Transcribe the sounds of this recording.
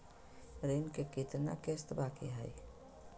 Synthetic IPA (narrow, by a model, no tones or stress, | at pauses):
ɾeːnkekɪt̪na̰kest̪baːkeɦaj